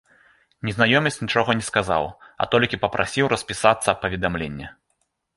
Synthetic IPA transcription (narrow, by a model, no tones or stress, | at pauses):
nʲɛznajɔmʲɐsʲt͡sʲnʲit͡ʂɔɣɐnʲɛskaza̰wɐ̰t̪ɔlʲkʲipɐpɾʔa̰sʲiwrɐsʲpʲisat̪sːɐpːɐvʲɛd̪amlʲenʲːɛ